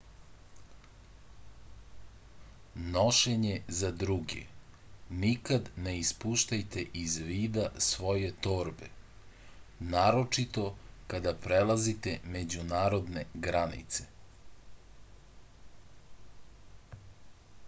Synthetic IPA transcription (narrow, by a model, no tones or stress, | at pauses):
noʃeɲe̞zad̪ɾuɡḛ | nikad̪neispuːʃt̪ajt̪e̞ʔizʋiːd̪asʋo̞je̞t̪o̞ːɾbe | naːɾo̞t͡ʃit̪o̞kad̪apɾelazit̪eme̞d͡ʑunaːɾo̞d̪ne̞ɡɾanḭt̪se̥